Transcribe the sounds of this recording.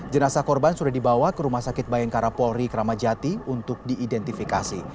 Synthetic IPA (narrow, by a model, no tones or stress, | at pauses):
d͡ʒənasakɔrbansudahdibawakəɾumahsakɪt̪̚bajɛŋkaɾapɔɾikəɾamad͡ʒat̪iunt̪ʊk̚diːdɛnt̪ifikasi